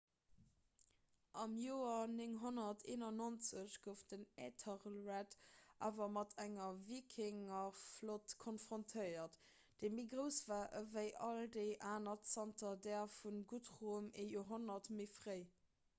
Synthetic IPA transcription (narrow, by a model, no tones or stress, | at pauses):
ʔɑmjoːɐnɪŋɦonɐtʰeːnɑnont͡səɕɡ̥əʊfd̥ənetʰəʁlʁætʔa̰ːvɐmɑtʰæŋɐvikʰɪŋɐflotkʰonfʁ̥ontʰəɪɐt | d̥eːmiːɡʁəʊsv̥aːʔəvəɪʔɑldəɪʔaːnɐtsɑntɐdɛːfunɡutʁumejoːɦonɐtmeɪfʁəɪ